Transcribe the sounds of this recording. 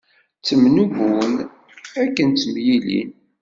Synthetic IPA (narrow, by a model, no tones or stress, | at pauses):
t͡sːəmnuɣun | ækːənt͡sːəmjilḭn